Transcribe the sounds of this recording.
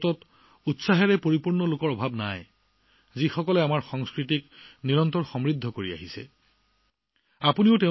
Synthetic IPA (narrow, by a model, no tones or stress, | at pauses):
tɔt | utsaɦɛɹɛpoɹipuɹnɔlokɔɹɔbʱabnaj | zixɔkɔlɛamaɹxɔŋskɹitikniɹɔntɔɹxɔmɹid̪ʱːɔkoɹia̰ɦisɛ̰ | apuniʊte